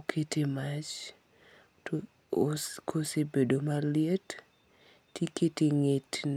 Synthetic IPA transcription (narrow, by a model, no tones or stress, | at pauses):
kʰetemat͡ʃ | skʰosebedomalɪet | tjeketeŋetn